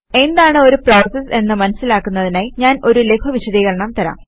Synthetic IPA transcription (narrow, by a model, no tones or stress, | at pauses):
e̞nd̪aːɳɨo̞ɾuproːsɐse̞nːɨmɐnɐsːilaːkːunːɐðinaːjiɲaːno̞ɾule̞pʰɐʋiɕɐðiːɣɐɭɐɳɐmt̪ɐɾa̰m